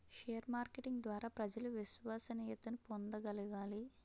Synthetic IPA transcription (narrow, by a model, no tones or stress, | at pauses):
ʃeːjɐɾmaːɾkeʈiŋɡd̪ʋaːɾaːpɾɐd͡ʒɐluʋisʋaːsɐniːjɐt̪ɐnupond̪ɐɡɐluɡaːli